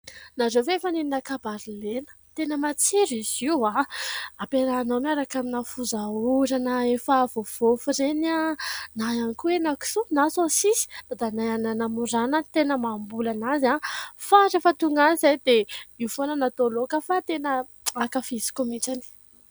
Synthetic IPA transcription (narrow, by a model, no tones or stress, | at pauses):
nazoveefanininakabaɾilenə̥t̪enəmat͡seɾiziwaapeɾaːnamaɾakaminafuzauɾanəefəvov̥ofuɾenanajanikuenaki̥sunasosisi̥d̪̥ad̪anajananamuɾanət̪enəmambulanazafaɾefət̪uŋɡanizajd̪eiufonənat̪olokəfat̪enə | akafisi̥kumiʈ͡ʂani̥